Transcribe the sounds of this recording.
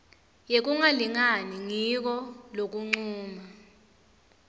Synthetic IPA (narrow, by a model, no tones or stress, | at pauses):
jek̬uŋaliŋaniŋik̬ɔlok̬ʼuŋ͡ǀuːma